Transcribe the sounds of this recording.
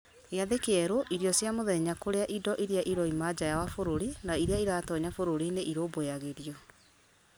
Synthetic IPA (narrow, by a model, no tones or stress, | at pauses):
eaðekeɛɾoʔiɾiɔsjamoðɛɲakoɾeaʔidɔʔiɾiaʔiɾɔimad͡ʑajawafoɾoɾinaiɾeaiɾaːtɔɲafoɾoɾineʔiɾoːbojaɣeɾjɔ